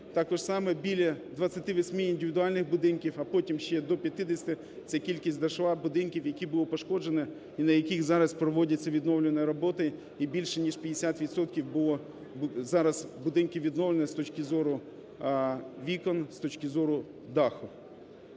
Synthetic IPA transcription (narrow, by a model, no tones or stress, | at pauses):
t̪ɑkɔʒsɑmɛbʲilʲɐd̪ʋɐt͡sʲːɐt̪ɪʋɔsʲmɪind̪ɪʋʲɪd̪ʊɑlʲnɪxɣbʊd̪ɪnkʲiwɐpɔtʲimʃt͡ʃɛd̪ɔpʲjɐt̪ɪd̪esʲt̪ɪ | t̪sɛkʲilʲkʲisʲtʲd̪ɐʃʋɑbʊd̪ɪnkʲiwjɐkʲibʊlˠɔpɔʃkɔd͡ʒenɛ | inɐjɐkʲixzɑɾɐspɾɔʋɔdʲɐt͡sʲːɐʋʲid̪nɔwlʲenɛjɾɔbɔt̪ɐ | ibʲilʲʃɛnʲiʃpʲɐd̪esʲat̪ʋʲid̪sɔt̪kʲiwbʊlˠɔ | zɑɾɐzbʊd̪ɪnkʲɪʋʲid̪nɔwlenɛst̪ɔt͡ʃkɪzɔɾʊ | ʋʲikɔnst̪ɔt͡ʃkɪzɔɾʊ | d̪ɑxʊ